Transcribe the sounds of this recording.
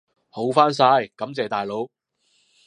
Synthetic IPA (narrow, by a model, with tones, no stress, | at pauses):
ho˨˥wfaː˥ns̬aː˧jkɐ˨˥mt͡sɛː˨˩t̪aː˨˩jlo˨˥w